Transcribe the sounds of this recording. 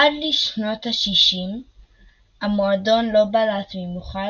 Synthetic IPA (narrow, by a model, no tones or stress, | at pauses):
adliʃno̞thaʃiʃim | amoado̞nlo̞balatmemuχa